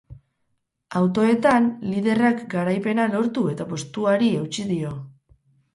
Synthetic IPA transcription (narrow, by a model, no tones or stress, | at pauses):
awt̪o̞e̞t̪anlið̞e̞rakɡaɾajpe̞nalo̞ɾt̪ue̞t̪apo̞st̪uaɾie̞wt͡ʃið̞io̞